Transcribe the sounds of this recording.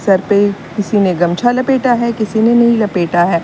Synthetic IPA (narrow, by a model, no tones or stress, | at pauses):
sɐɾpe | kɪsineɡɐmt͡ʃʰalɐpeːʈaɦɛkɪsinenɐɦĩlɐpeːʈaɦɛː